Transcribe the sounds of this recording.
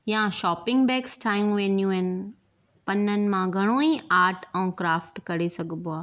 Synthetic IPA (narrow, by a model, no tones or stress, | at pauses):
jãʃɔːpɪ̃ŋɡbɛːksʈʰaːɪ̃mʋẽːnjũɛn | pɐnənɪ̆mãɡʱɐɽ̃õːiʔaːɾʈʰɔ̃ːkɾaːfʈkɐɾesɐɡʱboaː